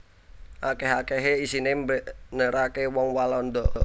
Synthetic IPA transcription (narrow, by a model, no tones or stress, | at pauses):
ʔakeɦakeɦeisinembəʔnəɾakewɔŋwalɔnd̪ɔʔ